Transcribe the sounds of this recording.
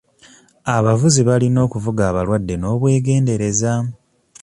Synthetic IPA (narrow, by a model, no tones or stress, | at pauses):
aβavuziβalino̞ːkuvuɡaːβalwadːe̞no̞ːβwe̞ːɡe̞ːnde̞ɾe̞za